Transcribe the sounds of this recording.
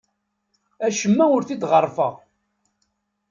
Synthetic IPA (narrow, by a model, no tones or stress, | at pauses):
æʃəmːæʊɾθid̪ʁərˤːfəʁ